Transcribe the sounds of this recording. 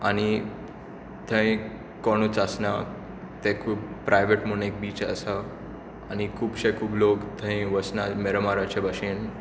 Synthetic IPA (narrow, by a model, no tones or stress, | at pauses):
añi | t̪ʰə̃ĩ | kɔɽ̃ut͡sasna | t̪ɛ̃kʰuːbpɾajʋeʈmunek̚biːt͡sə̰sa | añikʰuːbɕekʰuːblokt̪ʰə̃ĩʋəsnameɾəmaɾat͡ɕebəɕen